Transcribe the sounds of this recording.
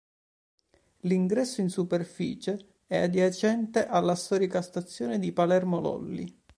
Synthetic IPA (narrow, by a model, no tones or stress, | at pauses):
liŋɡɾɛsːoinsuperfḭːt͡ʃe | ɛad̪jat͡ʃɛnt̪eʔalːast̪ɔːɾikast̪at̪sːjoːned̪ipalɛrmolɔ̰lːḭ